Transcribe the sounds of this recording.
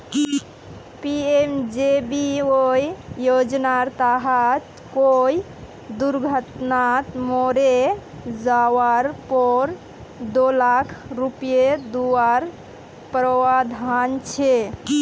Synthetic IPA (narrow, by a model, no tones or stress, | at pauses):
piemd͡ʒebiojijod͡ʒnaɾt̪aɦat̪ | koi | d̪uɾɡʱət̪nat̪moɾed͡ʒawaɾpɔɾ | d̪olakʰɾupijed̪uaɾ | pɾəwad̪ʱant͡ʃʰe